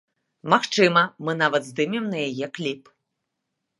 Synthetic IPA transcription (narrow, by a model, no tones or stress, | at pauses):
maxt͡ʂɨmɐmɨn̪avɐd̪zd̪ɨmʲɛmnɐjajɛklʲip